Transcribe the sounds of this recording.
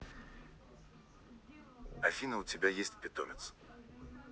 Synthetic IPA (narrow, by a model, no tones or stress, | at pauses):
ɐfʲinəʊtʲɪbʲajesʲtʲpʲɪt̪o̰mʲɪt̪s